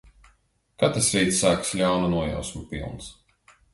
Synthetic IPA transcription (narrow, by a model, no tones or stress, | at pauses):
kat̪ɾsɾiːt̪sːaːkslʲawnunuɔja̰wsmupʲḭlˠns